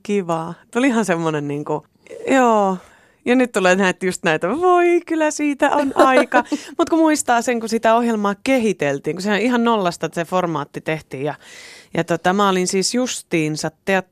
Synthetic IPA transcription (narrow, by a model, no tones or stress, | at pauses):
kiʋɑt̪ulihɑnsemːonenniːŋku | joː | jɑnyt̪t̪uleːnæiet̪ːjust̪næit̪æʋoikylːˑæsiːt̪æʔonɑikɑmut̪kumuist̪ɑːseŋkusit̪æohjelmɑːkehit̪elt̪iːŋkusehæoihɑnnolːɑst̪ɑseformɑːt̪ːit̪eht̪iːjɑjɑt̪ot̪ɑmæolinsiːsjust̪iːnsɑt̪ːeɑt̪